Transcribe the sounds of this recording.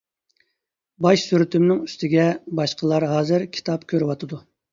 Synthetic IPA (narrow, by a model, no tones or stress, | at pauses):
bɑʃsyɾyt̪ʰymnɪŋyst̪ɪɡʲɛbɑʃqʰəlˠɑɾɦɑːzɨɾkʲʰi̥t̪ʰɑpkʲʰøɾywɑt̪ʰɨd̪u